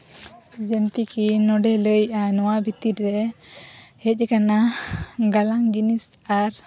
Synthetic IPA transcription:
d͡ʒənt̪ikinɔɖɛləjanɔwabʱit̪itɾɛ | hɛc̚ˀɛkanaɡalaŋd͡ʒinisaɾ

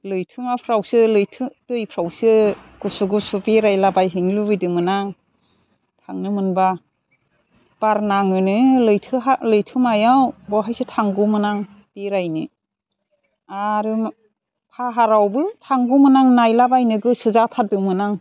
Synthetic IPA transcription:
lɯjtʰɯmapʰɾawsɯlɯjtʰɯdɯjpʰɾawsɯɡ̥usuɡusupeɾajlabajɦiŋlubɯjdɯmɯnaŋ | tʰaŋnɯmɯnba | b̥aɾnaŋɯnɯlɯjtʰɯɦalɯjtʰɯmajawbɔɦajsɯtʰaŋɡumɯnaŋ | b̥eɾajnɯ | aɾɯm | pʰaɦaɾawbɯtʰaŋɡumɯnaŋnajlabajnɯɡɯsɯzatʰadɯmɯnaŋ

